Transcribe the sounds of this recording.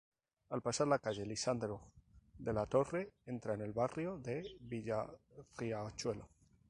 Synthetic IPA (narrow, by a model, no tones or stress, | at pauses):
alpasaɾlakaʝe̞lisand̪ɾoðe̞lat̪o̞re̞e̞nt̪ɾaene̞lβarjo̞ðe̞βiʝariat͡ʃwe̞lo